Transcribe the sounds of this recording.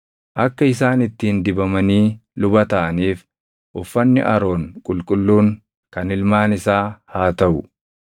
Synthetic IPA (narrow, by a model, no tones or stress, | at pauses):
ʔɐkːɐɪsaːnɪt̪ːiːnd̪ɪbɐmɐniːlʊbɐt̪ɐʔɐniːf | ʔʊfːɐnːɪ̰ʔɐɾo̞ːŋkʼʊlkʼʊlːuːŋ | kɐnɪlmaːnɪsaːhaːt̪ɐʔʊ